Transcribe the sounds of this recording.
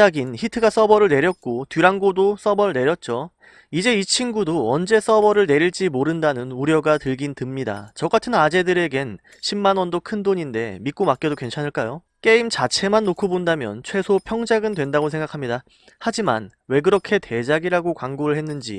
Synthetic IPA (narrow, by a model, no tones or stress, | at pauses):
aɡinçitʰɯɡas͈ʌbʌɾɯɭne̞ɾjʌt̚k͈otɥiɾaŋɡodos͈ʌbʌɾɯɭne̞ɾjʌt̚t͡ɕ͈o | id͡ʑe̞it͡ɕʰinɡudoʌnd͡ʑe̞s͈ʌbʌɾɯɭneɾiɭt͡ɕ͈imoɾɯndanɯnuɾjʌɡatɯɭɡintɯmɲida̰t͡ɕʌɡatʰɯnad͡ʑe̞dɯɾe̞ɡe̞n | ɕʰimːanwʌndokʰɯndoɲinde̞mik͈omak͈edokwe̞nt͡ɕʰanɯɭk͈ajo | k͈e̞imt͡ɕat͡ɕʰe̞manːokʰobondamjʌ̰nt͡ɕʰwe̞sʰopʰjʌŋd͡ʑaɡɯndwe̞ndaɡosʰe̞ŋɡakʰamɲida | had͡ʑima̰nwe̞ɡɯɾʌkʰe̞tʰe̞d͡ʑaɡiɾaɡokwaŋɡoɾɯɭhe̞nːɯnd͡ʑḭ